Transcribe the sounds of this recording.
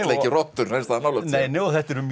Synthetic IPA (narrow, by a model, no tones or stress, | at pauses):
t̪ɛcɪrɔht̪ːʏɾ̥ɛnst̪aðanaːwlɛneːjnɛɔθɛht̪ɛɾʏmj